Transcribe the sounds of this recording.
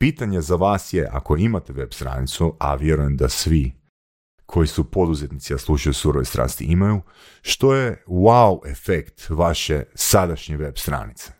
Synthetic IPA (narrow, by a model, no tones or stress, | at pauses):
piːt̪aɲezaʋaːsjeʔa̰ko̞imat̪eʋe̞bst̪ɾa̰ːnit̪sua̰ʋje̞ɾuje̞md̪asʋi | kʰo̞jisupo̞d̪uzet̪nit̪siaslˠuʃajosuɾoʋest̪ɾa̰ːst̪ḭʔimaju | ʃt̪o̞jewawʔefekt̪ʋaʃe̞sad̪aʃɲeʋe̞bst̪ɾa̰ːnit̪se̥